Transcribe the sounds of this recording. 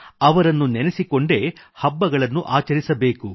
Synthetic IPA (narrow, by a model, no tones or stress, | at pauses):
ɐʋɐɾɐnːunɛnesiko̞ɳɖe̞hɐbːɐɡɐɭɐnːuʔaːt͡ʃɐɾisɐbe̞ːku